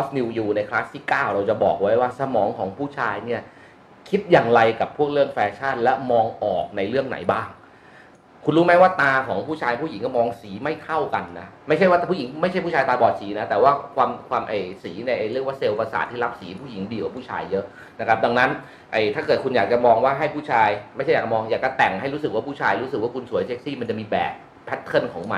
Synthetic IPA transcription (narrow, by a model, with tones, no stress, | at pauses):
ɔː˦˥sni˧juː˧na˧jkʰlaː˦˥st̪ʰiː˥˩kaː˥˩wɾa˧wt͡ɕa˨˩bɔ̰ː˨˩k̚wa˦˥jwaː˥˩sa˧mɔː˩˦ŋkʰɔː˩˦ŋpʰuː˥˩t͡ɕʰaː˧jni˥˩ɐ | kʰi˦˥t̪̚jaː˨˩ŋɾa˧jka˨˩pʰːu˥˩ək̚ɾɯ˥˩əŋfɛː˧t͡ɕʰa˥˩nlɛ˦˥mɔː˧ŋʔɔː˨˩k̚na˧jɾɯ˥˩əŋna̰˩˦jbaː˥˩ŋ | kʰu˧nɾuː˦˥ma˦˥waː˥˩t̪aː˧kʰɔː˩˦ŋpʰuː˥˩t͡ɕʰaː˧jn˧puː˥˩i˩˦kɔː˥˩mɔː˧ŋsiː˩˦ma˥˩jt̪ʰa˥˩wka˧nːa˦˥ma˥˩jt͡ɕʰa˥˩jwa˥˩pʰuː˥˩ji˩˦ŋma˥˩t͡ɕʰa˥˩jpʰu˥˩t͡ɕʰːjt̪aː˧bɔː˨˩t̪̚siː˩˦na˦˥t̪ɛː˨˩waː˥˩kʰwaː˧mkʰwaː˧mʔa˨˩jsiː˩˦na˧jʔa˧jɾɯ˥˩ək̚waː˥˩se˧wpa˧sa̰ː˨˩t̪ʰːiː˥˩ɾa˦˥p̚siː˩˦pʰuː˥˩ji˩˦ŋdiː˧ka˨˩pʰuː˥˩t͡ɕʰa̰ː˧jːɤ˦˥ʔ | na˦˥kʰɾa˦˥p̚da˧ŋna˦˥n | ʔa˧˩jt̪ʰaː˥˩kɤː˨˩t̪̚kʰu˧njaː˨˩k̚t͡ɕa˨˩mɔː˧ŋwaː˥˩ɦa˥˩jpʰuː˥˩t͡ɕʰaː˧jma˥˩jʰa˥˩ja˨˩t͡ɕa˩mɔː˧ŋjaː˨˩k̚t͡ɕa˨˧˩t̪ɛ˨˩ŋɦa˥˩jɾuː˦˥sɯ˨˩k̚waː˥˩pʰuː˥˩t͡ɕʰaː˧jɾuː˦˥s̬ɯ˨˩kwaː˥˩kʰu˧nsu˨˩˦jt͡ɕe˦˥k̚siː˥˩ma˧nt͡ɕa˨˩miː˧bɛ̰ː˨˩p̚ | pʰɛ˦˥t̪ʰːɤ˥˩nkʰɔː˩˦ŋma̰˨˩